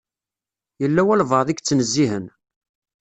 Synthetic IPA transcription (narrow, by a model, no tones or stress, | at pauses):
jəlːæwælvəðˤiɡt͡sːnəzːiɦən